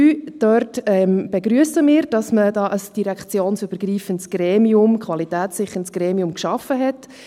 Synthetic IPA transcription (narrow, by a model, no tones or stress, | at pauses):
yːd̥œɾtɛmb̥eɡɾyəsəmɪːɾd̥ɑsmədɑːʔəsd̥iɾækt͡sjoːnsøb̥əɾɡɾiːfəntsɡ̥ɾɛːmiʊmkʰvɑlitæːtsɪχənsɡ̥ɾɛːmiʊmkʃɑfəɦɛt